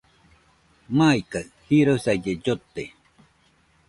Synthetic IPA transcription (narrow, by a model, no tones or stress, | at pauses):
majkaɰhiɾosajed͡ʒot̪ːe